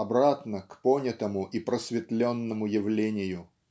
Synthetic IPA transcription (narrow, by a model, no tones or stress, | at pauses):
ɐbɾat̪nəkponʲət̪əmʊʔipɾəsvʲɪt̪lʲonːəmʊjɪvlʲenʲɪjʊ